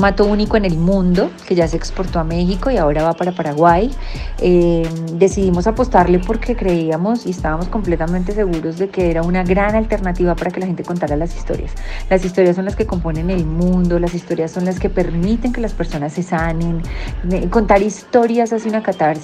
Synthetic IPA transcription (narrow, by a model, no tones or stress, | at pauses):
mat̪o̞uniko̞ene̞lmũnd̪o̞ke̞ʝase̞ːkspo̞ɾt̪o̞ame̞xiko̞iao̞ɾaβapaɾapaɾaɣwajed̪e̞siðimo̞sapo̞st̪aɾle̞po̞ɾkʰe̞kɾe̞iamo̞siest̪aβamo̞sko̞mple̞t̪ament̪e̞se̞ɣuɾo̞zd̪e̞ke̞eɾaunaɣɾanalt̪eɾnat̪iβapaɾakelaxent̪e̞ko̞nt̪aɾalasi̥st̪o̞̰ɾja̰slasist̪o̞ɾjaso̞nlaske̞ko̞mpo̞ne̞ne̞lmũnd̪o̞las̬ist̪o̞ɾjasːo̞nlaske̞pe̞ɾmit̪e̞ŋke̞laspe̞ɾso̞nasːe̞sane̞nko̞nt̪aɾist̪o̞ɾjasasjunakat̪aɾs